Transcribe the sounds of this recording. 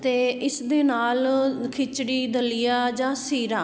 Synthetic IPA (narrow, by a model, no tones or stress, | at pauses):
t̪eːɪsd̪eːnaːlkʰɪt͡ʃɽiːd̪əlɪjaːd͡ʒãːsiːɾaː